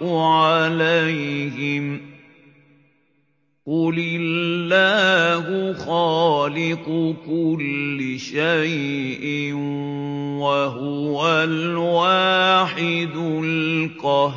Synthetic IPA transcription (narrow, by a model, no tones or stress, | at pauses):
ʊʕalajhɪm | qʊlɪllːaːhʊxaːlɪqʊkʊlːɪʃajʔɪn | waɦʊwalwaːħɪd̪ʊlqɑ